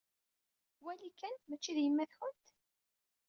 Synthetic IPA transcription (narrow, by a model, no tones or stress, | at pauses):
wælikænmæt͡ʃːiðjəmːæθçənt̪